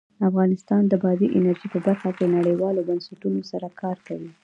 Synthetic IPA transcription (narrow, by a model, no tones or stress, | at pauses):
afɣɑnɪst̪ɑnd̪əbɑziʔɪnaɾʒipəbaɾxakenaɽəjwɑlobansaʈunosaɾakʰɑɾkawi